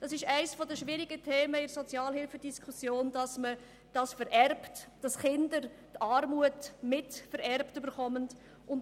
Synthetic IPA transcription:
d̥ɑsɪʃæɪsfɔdəʃvɪɾiɡətʰeːməɪsɔt͡sjɑːlhɪlfədiskʰusjoːnd̥ɑsmə | d̥ɑsfəɾʔɛrptd̥ɑsχɪndəɾ | tɑːrmuətmɪtfəɾɛrptybəɾχɔmənt | ʔʊn

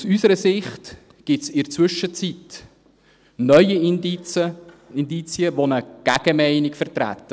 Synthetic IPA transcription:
usysəɾəsɪχt | ɡ̥ɪtsɪɾt͡sʋʏʃət͡sit | nœʏə | ind̪it͡siəʋonəɡ̥æɡ̥əmɛɪnikfəɾtɾæ̰t̪ːə

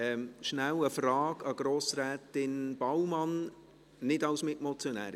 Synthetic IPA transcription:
ɛmʃnæwəfrɑːɡɑɡ̥ɾoːsɾɛːtɪnb̥awmɑn | nɪdɑwsmɪtmɔt͡sjɔnæ̰ːɾ

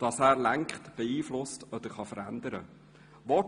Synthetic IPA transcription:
d̥ɑsæːɾlæŋkχtb̥ɛiːflʊstɔd̥̪əɾχɑfəɾændəɾə | ʋɔ

